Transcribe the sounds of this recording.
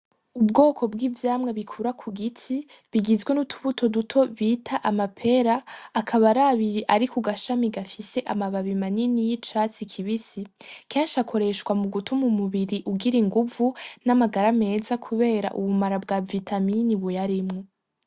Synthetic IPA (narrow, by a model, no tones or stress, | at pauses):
ubɡo̞ːkʰo̞bɡiːvjaːmŋeβikʰuɾakʰuɡitʰi | βiɡizɡwenutʰuβutʰo̞dutʰo̞βiːtʰaʔamapʰe̞ɾaːkʰaβaɾaβiɾiʔaɾikʰuɡaʃamiɡafise̞ʔamaβaβimaninijit͡ʃat͡sikʰiβisike̞ːnʃakʰo̞ɾe̞ʃwamuɡutʰumumuβiɾiʔuɡiɾiŋɡuvunamaɡaɾame̞ːzakʰuβe̞ːɾa̰ʔuβumaɾabɡaːvitʰaminiβujaɾimŋo